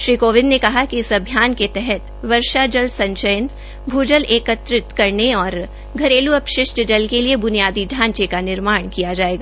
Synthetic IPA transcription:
ʃɾiːkoːʋɪ̃nːekɐɦakiɪsɐbʱjaːnket̪ɛɦɛt̪ | ʋɐɾʃad͡ʒəlsɐ̃ɲt͡ʃəjən | bʱuːd͡ʒəlʔeːkət̪ɾɪt̪kɐɾneɔːɾ | ɡʱɐɾeːluɐpʃɪʃʈd͡ʒɐlkeliebʊnijaːd̪iɖʱãːɲt͡ʃekanɪɾmaːɽ̃kijad͡ʒaːeːɡaː

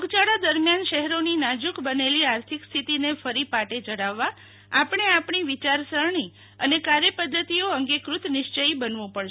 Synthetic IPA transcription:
oɡt͡ʃaɽad̪əɾmjanʃɛɦɛɾoninad͡ʒukbəneliaɾt̪ʰikst̪ʰit̪inefəɾipaʈed͡ʒəɽaʋːa | apɳeapɳ̃iʋit͡ʃaɾsəɭɳi | ənekaɾjəpəd̪ʱːət̪ioəŋɡekɾut̪nɪʃt͡ʃəibənʋũpəɭʃ

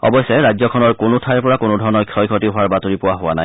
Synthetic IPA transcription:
ɔ̰bɔjsɛɹajzɔkʰɔnɔɹkonʊtʰajɹpɔɹakonodʱɔɹɔnɔkʰjɔjkʰɔtiɦʊaɹbatoɹipʊwaɦʊwanaj

